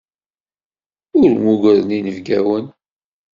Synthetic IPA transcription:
ʊɾmuɡəɾəninəvɡæwən

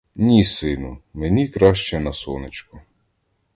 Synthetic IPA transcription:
nʲisɪnʊmenʲikɾɑʃt͡ʃɛnɐsɔnet͡ʃkʊ

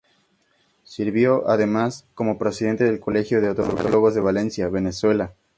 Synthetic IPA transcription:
siɾβjo̞ʔaðe̞masko̞mo̞pɾe̞sið̞e̞nt̪e̞ðe̞lko̞le̞xjo̞ðeot̪oɾokoloɣo̞zðe̞βale̞nsjaβe̞ne̞swe̞la

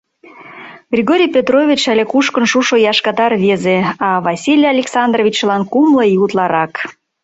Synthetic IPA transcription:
ɡ̥rʲiɣoɾʲijpʲet̪rovʲit͡ɕælekuʃkənʃuʃojɑʃkɑt̪ɑrβezeɑβɑsʲilʲjɑlʲeksɑnd̪rovʲit͡ɕlɑnkumlɤjiut̪lɑɾɑk

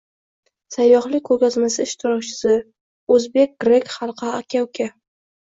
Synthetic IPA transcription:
sajːɒχlɪkʰːɵɡʲazmasɪɪʃt̪ʰɪɾɒkt͡ʃʰɪ̥sɪ | ɵzbe̞k̚ʲɡ̥ɾekʲχɑlˠqʰɑakʲʰawkʲʰa

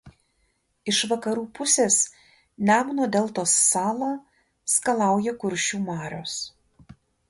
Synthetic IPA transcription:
ɪʃʋɐkɐɾuːpʊsʲeːs | nʲæːmnoːd̪ʲɛlˠt̪oːsːɑːlˠɑː | skɐlˠɑˑʊjɛkʊɾʲʃʲt͡ʃʲuːmɑːɾʲoːs

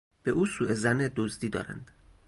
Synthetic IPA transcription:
b̥e̞ʔuːsuːe̞zæned̪ozd̪iːd̪ɒ̰ːɾæ̰nd̪̥

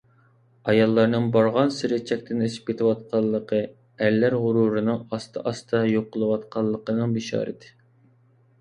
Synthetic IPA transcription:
ɑjɑlˠːɑɾnɨŋbɑɾʁɑnsɪɾɪt͡ʃʰɛk̚ʲt̪ʰɪneʃɪ̥p̚kʲet̪ʰɪwɑt̪̚qʰɑlˠːəqʰə | æɾlːæɾʁʊɾuɾɨnɨŋɑst̪ʰɨʔɑst̪ʰɑjoqːəlˠɨwɑt̪qʰɑlˠːəqənɨŋbeʃɑ̰ːɾɨ̰d̪ɪ̥

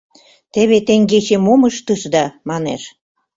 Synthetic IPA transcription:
t̪ĕβet̪eŋɡet͡ɕemomə̆ʃt̪ɤʃd̪ɑmɑnḛʃ

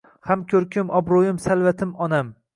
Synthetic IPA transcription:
hamkʲʰɵɾkʲʰʊmʔɒbɾojɪmsalˠvat̪ʰɪmɒnam

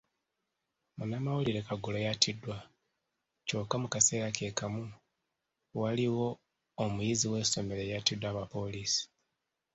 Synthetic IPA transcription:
munamawuliɾe̞kaɡulojatidːwa | co̞kːamukase̞ːɾake̞kamu | waliwo̞ː | mujiziwe̞ːso̞me̞ɾe̞jatidwaːβapo̞liːsi̥

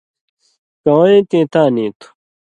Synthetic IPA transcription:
kɐwɐ̃ẽt̪ĩːt̪aːnĩːt̪u̥

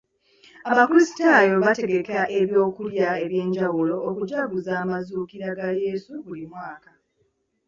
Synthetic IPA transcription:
aβakulisi̥tajo̞βate̞ɡe̞keɾaʔe̞βjo̞ːkuljae̞βje̞ːɲɟawulo̞ːkuɟaɡuzaːmazuːkiɾaɡaje̞ːsuβulimwaːka

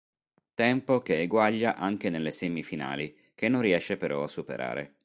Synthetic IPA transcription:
t̪ɛmpokeːɡwaʎːaʔaŋk̟enelːesɛmifina̰ːli | k̟enːõnriɛʃːepeɾʔɔ̰asːupḛɾʔa̰ːɾḛ

